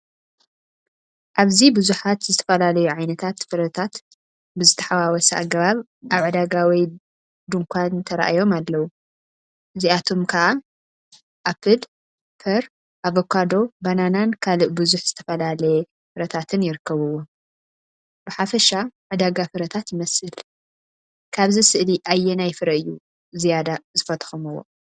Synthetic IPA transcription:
ʔaβzibɨzuħat̪zɨt̪ʰɐ̥fɐlalɐjuʕajnɐt̪ʰat̪fɨɾɐt̪ʰat̪ | bɨzɨt̪ʰɐ̥ħawawɔsɐʔa̰ɡɐβaβ | ʔaβʕɨd̪aɡawij | d̪uŋkʰʷant̪ʰɐɾɐ̰ʔa̰jo̞malːɐwu | ʔɨziat̪ʰo̞mkʰɐʔa | ʔapʰɨd̪ | pʰɐɾ | ʔaβokʰːad̪o̞bananankʰalɨʔbɨzuħz̥ɨt̪ʰɐ̥fɐlalɐjɛ | fɨɾɐt̪ʰat̪ʰɨnjɪɾɨkːɐβɨwo | b̥ɨħafɐʃaʕɨd̪aɡafɨɾɐt̪ʰat̪jɪmɐsɨl | kʰaβzisɨʔliʔajːɛnajfɨɾɐɨjːu | zijad̪azɨfɐt̪ʰxumɨwo̞̰

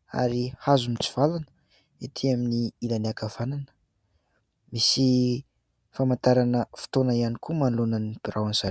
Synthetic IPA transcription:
a̰ɾihazumit͡si̥v̥alanə̥ | et̪ʰiaminiilaniakav̥ananə̥ | misi | famant̪aɾanəfi̥t̪onaianikumanlunanib̥iɾawaniz̥a

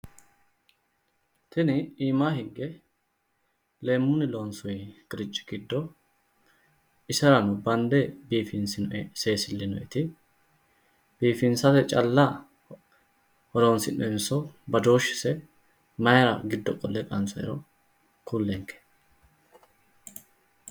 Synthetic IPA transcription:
t̪ʰɛnɪiːmaːɦɪɡːɛ | le̞ːmːʊnɪloːnsʊjkʼɪɾɪt͡ʃʼːɪ̥ɡ̥ɪd̪ːɔ | ɪsɐɾɐnʊbɐnd̪ɛbiːfɪnsɪnɔʔɛse̞ːsɪlːɪnɔjɛt̪ɪ | b̥iːfɪnsɐt̪ɛt͡ʃʼɐlːɐ | hɔɾoːnsɪnʔɔ̰ɛnsɔbɐd̪o̞ːʃːɪ̥sɛ | mɐjɐɾɐ̰ɡɪd̪ːɔkʼɔlːɛkʼɐnt͡sɔjɛ̰ɾɔ | kʰulːɛŋkːɛ̥

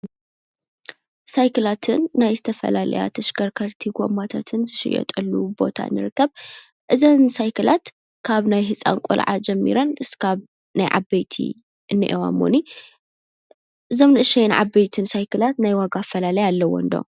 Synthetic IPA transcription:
sajkʰɨlat̪ʰɨnːajzɨt̪ʰɐfɐ̰lalɐ̰ja̰t̪ʰɐʃkɐɾkʰɐɾt̪ʰiɡo̰mat̪ʰat̪ʰɨnzɨʃɪ̰jɛ̰t̪ʼɐlːubo̞̰t̪ʰa̰nːɨɾɨkːɐβ | ʔɨzonsajkʰɨlat̪ | kʰaβnajɦɨt͡sʼa̰nkʼṵlʕa̰d͡ʒɛmːḭɾɐnʔɨskʰaβ | najʕa̰bɐjt̪ʰḭ | ʔɨnːɨ̰ʔewa̰mːo̰ni | ʔɨzo̞mnɨʔɨʃɛjnʕa̰bɐjt̪ʰɨnsajkʰɨlat̪najwaɡafɐlalɐjalːɐwo̰ɨnd̪o

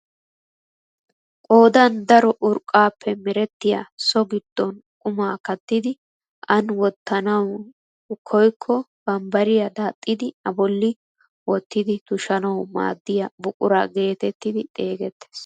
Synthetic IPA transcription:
kʼo̞ːd̪ɐnd̪ɐɾɔʔʊɾkʼːaːpʰːɛmɛɾɛt̪ːɪja̰sɔɡɪd̪̥ːɔnkʼʊmaːkɐt̪ːɪd̪ɪ | ʔɐnwɔt̪ːɐnɐw | kʰɔjkʰːɔb̥ɐmbɐɾɪjɐd̪aːt̪ʼːɪd̪ɪɐbɔlːɪ | wɔt̪ːɪd̪ɪt̪ʊʃɐnɐwma̰ːd̪ːɪjɐbʊkʼʊɾa̰ɡe̞ːt̪ɛt̪ːɪd̪ɪt̪ʼe̞ːɡɛt̪ːe̥ːs

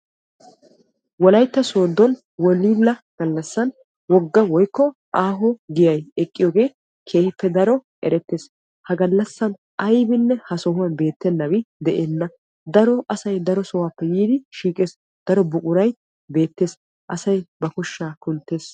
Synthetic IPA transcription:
wɔlɐjt̪ːɐso̞ːd̪ːɔn | wɔliːlːɐɡ̥ɐlːɐsːɐn | wɔɡːɐwɔjkːɔ | ʔaːɦɔɡɪjɐjɛkʼːɪjɔːɡe̞ː | kʰe̞ːhɪpːɛd̪ɐɾɔ | ɛɾɛt̪ːe̞ːs | hɐɡɐlːɐsːɐn | ɐjbɪnːɛhɐsɔɦʊwɐnbe̞ːt̪ːɛnːɐwɪd̪ɛʔeːnːɐ | d̪ɐɾɔʔɐsɐjd̪ɐɾɔsɔwaːpːɛjiːd̪ɪʃiːkʼeːs | d̪̥ɐɾɔbʊkʼʊɾɐj | be̞ːt̪ːe̞ːs | ʔɐsɐjbɐkʊʃːaːkʊnt̪ːe̞ːs

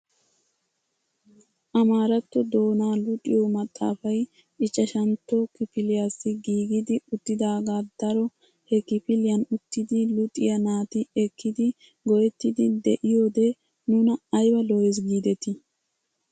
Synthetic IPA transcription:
ʔɐmaːɾɐt̪ːɔd̪o̞ːnaːlʊt̪ʼɪjomɐt̪ʼːa̰ːfɐj | ɪt͡ʃʼːɐʃɐnt̪ːɔkɪpɪlɪjaːsːɪɡiːɡɪd̪ɪʊt̪ːɪd̪aːɡaːd̪̥ɐɾɔ | hɛkɪpɪlɪjɐnʊt̪ːɪd̪ɪlʊt̪ʼɪjɐnaːt̪ɪɛkʰːɪd̪ɪ | ɡɔjɛt̪ːɪd̪ɪd̪ɛʔɪjoːd̪ɛ | nʊnɐːjwɐlɔjɛs̬ɡiːd̪ɛt̪ɪ

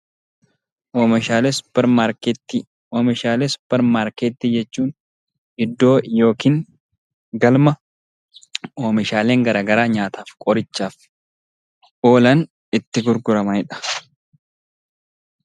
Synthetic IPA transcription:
ʔoːmʃaːleːsʊ̥pːɛɾmaɾket̪ːi | oːmɛʃaːleːsʊ̥pːɛɾmaːɾkeːt̪ːiːd͡ʒɛt͡ʃːuːn | ɪd̪ːo̞ːjo̞ːkiːŋ | ɡɐlmɐ | oːmɪʃaːle̞ːŋɡɐɾaːɡɐɾaːɲaːt̪ʰaːfkʼɔɾɪt͡ʃːaːf | ʔo̞ːlɐn | ɪt̪ːɪɡʊɾɡʊɾɐmɐɪᶑɐ̥

